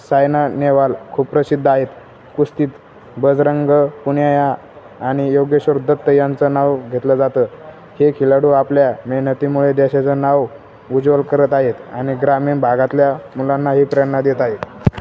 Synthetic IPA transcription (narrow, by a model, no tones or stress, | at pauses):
sajnaneʋalkʰuːbpɾəsid̪ʱːaɦet̪ | kust̪iːt̪ | bəd͡zɾəŋɡəpuɳjajaː | ɽ̃ijoɡjəɕoɾd̪ʱət̪ːəjant͡sənaʋɡʱet̪ləd͡zat̪ə | hekʰilaɽuːapljameɦɳət̪imuɭed̪eɕat͡sənaʋ | ud͡zʋəlkəɾət̪aɦet̪aɽ̃iɡɾamiːɳbʱaɡãt̪ljamulanːaɦipɾjanːad̪jet̪aɦet̪